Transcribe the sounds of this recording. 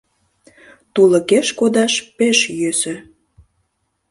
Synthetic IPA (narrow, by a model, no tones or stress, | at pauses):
t̪ulə̆keʃkod̪ɑʃpeʃjøsø